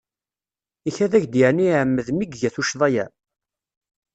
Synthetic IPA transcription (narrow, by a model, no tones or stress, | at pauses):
içæðæʝd̪jəʕniʕəmːəðmiɡʝæθuʃðˤɑjæ